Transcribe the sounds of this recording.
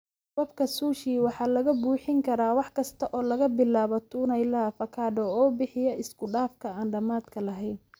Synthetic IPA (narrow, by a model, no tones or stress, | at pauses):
bɐbkʰɐsuːʃiːwɑħɑːlɐɣɐbuːħɪŋkʰɐɾaːwɑħkʰɐst̪ʰɐʔɔːlɐɣɐbɪlaːβɔt̪ʰuːnɛjlafɐkʰaːdɔɔːbɪħɪjɐɪskʰʊɖaːfkʰɐaːnɖɐmaːd̪kʰɐlɐɦɛjn